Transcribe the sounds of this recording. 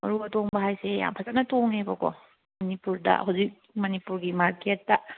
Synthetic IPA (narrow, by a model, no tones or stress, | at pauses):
mɐɾubɐtoŋbɐɦajseja̰mpʰɐzanɐtoŋebɐkɔ̰ | mɐnipuɾdɐ̰huwzik̚mɐnipuɾɡimaɾketːɐ